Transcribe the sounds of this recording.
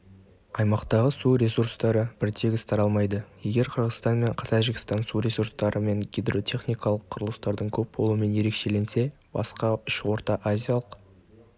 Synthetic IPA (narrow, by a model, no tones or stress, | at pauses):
ɑjmɑqt̪ɑʁəsuɾʲe̞suɾst̪ɑɾəb̥ɪɾt̪ʰe̞ɡʲɪst̪ʰɑɾɑlˠmɑjd̪əje̞ɡʲe̞ɾqʰəɾʁəzt̪ɑnme̞ɴqʰt̪ʰɑʒɪɡʲɪ̥st̪ɑnsuɾʲe̞suɾst̪ɑɾəme̞ŋɡʲid̪ro̞t̪ʲʰe̞χnijkɑlˠəqʰːʊɾəlˠəst̪ɑɾd̪əɴkʲʰɵp̚bʰo̞lˠuəme̞nje̞ɾe̞kʃe̞le̞nse̞ | b̥ɑ̰sqɑʏʃwo̞ɾt̪ɑʔazʲijalˠəq